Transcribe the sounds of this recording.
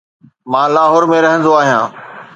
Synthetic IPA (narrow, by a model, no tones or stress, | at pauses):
mãːlaːɦɔːɾmẽɾɐɦə̃nd̪oaːɦijãː